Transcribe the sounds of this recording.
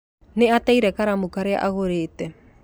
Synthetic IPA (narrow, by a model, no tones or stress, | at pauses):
nɛat̪ɛjɾɛkaɾamukaɾea̰ʔaɣoɾet̪ɛ